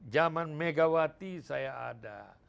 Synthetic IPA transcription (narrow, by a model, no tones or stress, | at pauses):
d͡ʒamanmeɡawat̪isaja̰ːda̰